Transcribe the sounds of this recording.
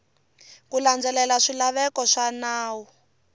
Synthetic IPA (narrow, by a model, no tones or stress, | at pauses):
kuland͡zɛlɛlaʂilaβɛkɔʂanaːwu